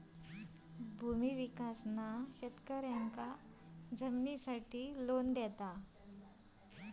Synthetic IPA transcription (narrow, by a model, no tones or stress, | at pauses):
bʱumiʋikasnaɕet̪kəɾjaŋka | d͡zəmnisaʈiːlond̪ɛt̪a